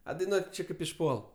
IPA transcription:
ɐ dɐɪˈnuɔtʲ ˈt͡ʃʲɪ ˈkɐɪp ɪʃˈpuɔlˠ

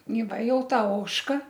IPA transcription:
iː ˈʋɐ ˈjɛʊ ˈtɐ ˈoːʃkɐ

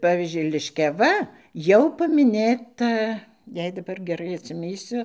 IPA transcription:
ˈpɑːʋʲiːzʲd͡ʒʲʊɪ lʲɪʃʲkʲɛˈʋɐ ˈjɛʊ pɐmʲɪˈnʲeːtɐ ˈjɛɪ dɐˈbɐr ɡʲɛˈrɐɪ ɐtʲsʲɪˈmʲiːsʲʊ

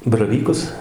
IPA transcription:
bɐrɐˈʋʲiːkʊs

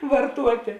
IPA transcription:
ʋɐrˈtuɔtʲeː

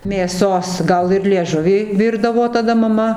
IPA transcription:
mʲeːˈsoːs ˈɡɐlˠ ɪr lʲiɛˈʒʊʋʲiː ˈʋʲiːrdɐʋoː tɐˈdɐ mɐˈmɐ

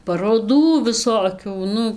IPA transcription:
pɐroːˈduː ʋʲɪˈsoːkʲuː ˈnʊ

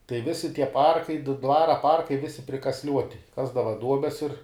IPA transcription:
tɐɪ ˈʋʲɪsʲɪ tʲiɛ ˈpɐrkɐɪ ˈdʋɑːrɐ ˈpɐrkɐɪ ˈʋʲɪsʲɪ pʲrʲɪkɐsʲˈlʲuɔtʲɪ ˈkɑːzdɐʋɐ ˈduɔbʲɛs ɪr

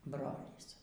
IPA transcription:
ˈbroːlʲiːs

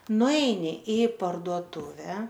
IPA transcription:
nʊˈɛɪnʲɪ ɪ pɐrduɔˈtʊʋʲɛ

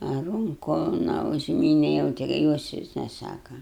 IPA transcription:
ɐ ˈrʊŋkʊ nɐ ʊʒʲˈmʲiːnʲɛ jɛʊ ˈtʲɪ joːs ˈʋʲɪs nʲɛˈsɑːkɐ

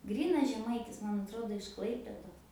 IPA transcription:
ˈɡrʲiːnɐs ʒʲɛˈmɐɪtʲɪs ˈmɐn ɐtˈroːdoː ɪʃ ˈklˠɐɪpʲeːdoːs

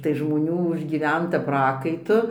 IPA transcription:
tɐɪ ʒmoːˈnʲuː ʊʒʲɡʲiːˈʋʲɛntɐ ˈprɑːkɐɪtʊ

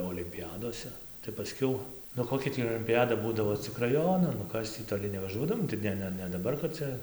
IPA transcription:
oːlʲɪmʲpʲɪˈjæːdoːsʲɛ tɐɪ pɐˈsʲkʲɛʊ nʊ ˈkoːkʲɛ tʲiː oːlʲɪmʲpʲɪˈjæːdɐ ˈbuːdɐʋoː t͡sʲɪk rɐˈjoːnɐn nʊ ˈkɐs tʲiː toːˈlʲɪ nʲɛʋɐˈʒuɔdɐʋoːm tɐɪ ˈnʲɛ ˈnʲɛ nʲɛ dɐˈbɐr kɐt ˈt͡sʲɛ

